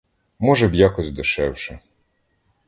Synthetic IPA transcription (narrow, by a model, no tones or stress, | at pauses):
mɔʒɛbjakɔzʲd̪ɪʃɛwʃɛ